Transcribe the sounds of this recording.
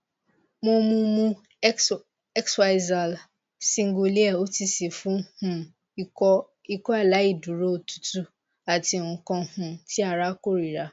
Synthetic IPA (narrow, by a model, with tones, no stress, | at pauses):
mõ˦mũ˦mũ˦ | ɛ˦ksfa˨ɪ˨za˨l | sĩ˨ŋ̩˦ɡo˨li˦ɛ˦˨o˦ti˧si˨fũ˦hũ˦ | ɔ˦ | i˦kɔ˦a˦˨la˨˦i˦˨du˨ɾo˦˨tu̥˦tu˦ | a˨ti˨ŋ̩˨kɔ̃˧hũ˨ti˦a˨ɾa˦ko˦ɾi˨ɾa˨